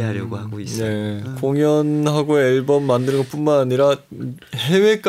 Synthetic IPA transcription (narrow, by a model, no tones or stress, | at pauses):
aɡaɡone̞koŋjʌnɦaɡoeɭbʌmːandɯɾɯnɡʌp͈unmanaɲiɾahe̞we̞k͈